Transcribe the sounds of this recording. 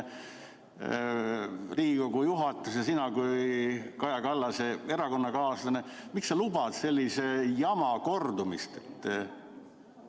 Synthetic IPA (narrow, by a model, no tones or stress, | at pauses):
riːɡiko̞ɡujuɦɑt̪ːˑusjɑsinɑkujkɑjɑkɑlːɑsee̞ɾɑko̞nːɑkɑːslɑnemiksːɑlubɑd̪̥se̞lʲːisejɑmɑko̞rd̪̥umist̪et̪ˑː